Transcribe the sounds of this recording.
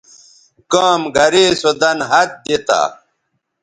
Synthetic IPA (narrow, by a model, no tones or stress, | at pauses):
kaːmɡɐɾeːsod̪ɐnɦɐt̪̚d̪et̪a̰ː